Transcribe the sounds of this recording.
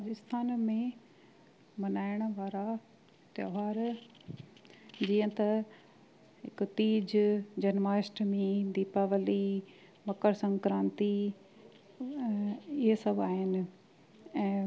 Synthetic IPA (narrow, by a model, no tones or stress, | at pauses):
ɾad͡ʑɪst̪ʰaːnmẽ | mɐnaːɪɽ̃ʋaːɾa | t̪ɐɦaːɾ | d͡ʑiːə̃t̪ɐ | ɦɪkt̪iːd͡ʑd͡ʑɐnmaːsʈmĩd̪iːpaːʋəli | mɐkəɾsɐ̃ŋkɾãːnt̪i | ɪɦesɐbaːɦɪnɪ̆ | ɛ̃ː